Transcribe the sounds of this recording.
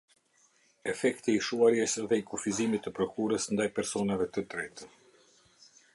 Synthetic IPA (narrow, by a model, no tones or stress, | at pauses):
ɛfɛkt̪iːʃuaɾjɛsðɛikufizimit̪əpɾɔkuɾəsnd̪ajpɛɾsɔnavɛt̪ət̪ɾɛt̪ə